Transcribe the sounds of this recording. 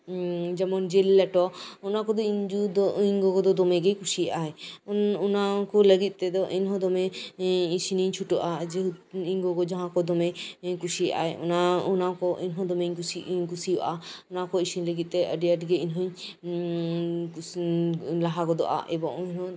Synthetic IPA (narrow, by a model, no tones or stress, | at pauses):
d͡ʒɛmɔnd͡ʒelːɛʈɔunakɔd̪ɔiɲd͡ʒud̪ɔiɲɡɔɡɔd̪ɔd̪ɔmɛɡɛjkusiʔaɛnunakɔləɡit̪̚ˀːt̪ɛd̪ɔʔinɦɔ̃d̪ɔmɛisiniɲt͡ʃʰuʈɔʔad͡ʒɛiɲɡɔɡɔd͡ʒaɦãkɔd̪ɔmɛkusijʔa̰ɛṵnaunakɔʔinɦɔ̃d̪ɔmeɲusikusiʔaɔnakɔisiniləɡit̪̚ˀt̪ɛəɖijaʈɡɛinɦɔɲ | laɦaɡɔd̪ɔ̰ʔa̰ʔɛbɔŋinhɔ̃